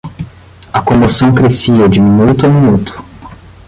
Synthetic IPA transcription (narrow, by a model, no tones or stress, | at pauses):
ɐkõmosɐ̃w̃kɾesiɐd͡ʒɪmĩnut̪ʊamĩnut̪ʊ̥